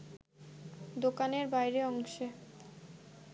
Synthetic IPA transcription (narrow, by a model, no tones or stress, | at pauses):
d̪okaneɾbajɾeɔŋʃe